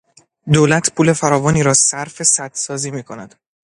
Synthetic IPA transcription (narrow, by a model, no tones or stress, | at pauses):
d̪oːlæt̪ʰpʰuːle̞fæɾɒːvɒːniːɾɒːsæɾfe̞sæd̪sɒːziːmiːkʰo̞næd̪̥